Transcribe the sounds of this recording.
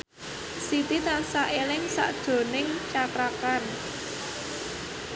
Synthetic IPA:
sit̪it̪ansaʔelɪŋsa̰ʔd̥ʒ̥o̤nɪŋt͡ʃakɾakan

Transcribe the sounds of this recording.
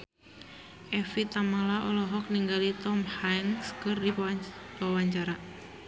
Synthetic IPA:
ʔɛfit̪amalaɔlɔɦɔk̚niŋɡalit̪ɔmhajŋskɨrdiwawaɲt͡ʃaɾa

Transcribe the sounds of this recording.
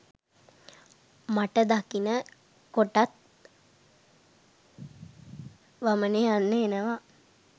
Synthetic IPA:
maʈəd̪akinə | koʈat̪̚ | ʋaməneanːeenəʋa

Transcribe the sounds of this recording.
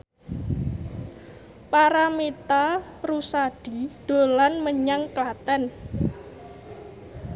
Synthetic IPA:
paɾamet̪arusaɖ̥i̤ɖ̥o̤lanməɲaŋklat̪ɛn

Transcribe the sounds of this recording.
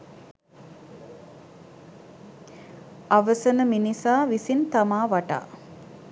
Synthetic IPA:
aʋəsənəminisaːʋisint̪amaːʋaʈa̰ː

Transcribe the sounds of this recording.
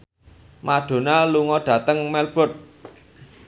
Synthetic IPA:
maɖ̥o̤naluŋɔɖ̥ä̤t̪əŋmɛlb̥ɔ̤t̪̚

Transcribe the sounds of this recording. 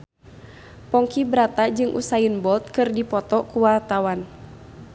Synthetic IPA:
pɔŋkibɾat̪ad͡ʒɨŋʔṵsainbɔlt̪̚kɨrdipɔt̪ɔkuwart̪awan

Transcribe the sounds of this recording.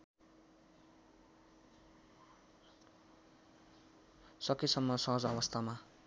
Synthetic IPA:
sʌkisʌmːʌsʌɦʌd͡zʌβʌst̪ʰama

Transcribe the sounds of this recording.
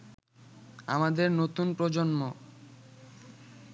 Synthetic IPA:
a̰mad̪eɾnot̪unpɾod͡ʑonmo

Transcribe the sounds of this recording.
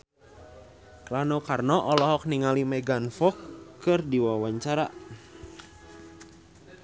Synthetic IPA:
klanɔkarnɔʔɔlɔɦɔk̚niŋalimɛɡanfɔkːɨrdiwawaɲt͡ʃaɾa

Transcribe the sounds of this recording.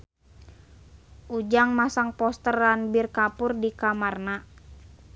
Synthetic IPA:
ʔud͡ʒaŋmasaŋpɔst̪əranbirkapʊrdikamarna

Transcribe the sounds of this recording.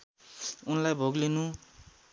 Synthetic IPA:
unlajbʱoɡlinu

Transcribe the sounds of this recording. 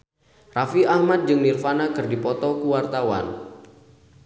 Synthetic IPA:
rafiahmat̪̚d͡ʒɨŋnirfanakɨrdipɔt̪ɔkuwart̪awa̰n

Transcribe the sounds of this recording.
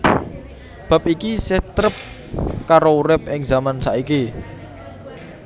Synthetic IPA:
b̥a̤p̚ikiset̪ɾəp̚ | kaɾouɾɪp̚ɪŋzamansaʔiki

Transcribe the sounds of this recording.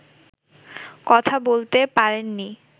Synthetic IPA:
kɔt̪ʰabolt̪epaɾenːi

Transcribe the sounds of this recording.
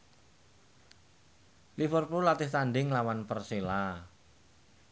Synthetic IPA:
lifərpulat̪ɪht̪aɳɖɪŋlawanpərsela

